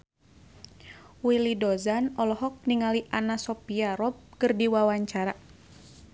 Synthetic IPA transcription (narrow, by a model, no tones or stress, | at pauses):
wilidɔzanɔlɔɦɔk̚niŋaliʔanasɔpiaɾɔp̚kɨrdiwawaɲt͡ʃaɾa